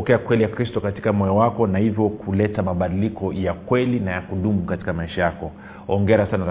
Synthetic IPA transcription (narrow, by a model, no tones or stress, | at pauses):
ɔkɛakwɛlijakɾistɔkati̥kamɔjɔwakɔnahivjɔkulɛtamaɓaɗilikɔjakwɛlinajakuɗumukati̥kamaiʃajakɔ | ɔŋɡɛɾasana